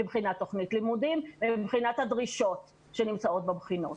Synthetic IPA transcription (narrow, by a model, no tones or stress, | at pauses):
ibχinatːo̞χnitlimudimmibχinathadʁiʃo̞t | ʃenimt͡sao̞t̚bebχino̰t